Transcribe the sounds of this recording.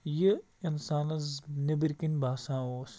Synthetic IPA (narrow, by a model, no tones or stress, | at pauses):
ji | insaːnɐznibiɾkinbaːsãːoːs